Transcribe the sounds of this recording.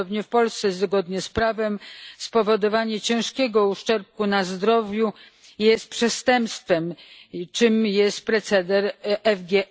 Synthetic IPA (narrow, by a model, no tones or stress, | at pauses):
ɔbɲɛfpɔlst̪sɛzzɡɔd̪ɲɛspɾavɛmspɔvɔd̪ɔvaɲɛt͡ɕɛ̃w̃ʂkʲɛɡɔuʂt͡ʂɛɾp̚kunazd̪ɾɔvʲju | jɛst̪̚pʂɛst̪ɛmpst̪fɛmt͡ʂɨmjɛst̪̚pɾɛt̪sɛd̪ɛɾɛvɡʲɛ